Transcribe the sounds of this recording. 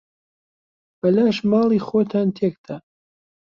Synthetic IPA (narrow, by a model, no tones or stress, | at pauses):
b̥ɐlaːʃmɑːlˠiːxoːt̪ʰaːnt̪ʰekd̪a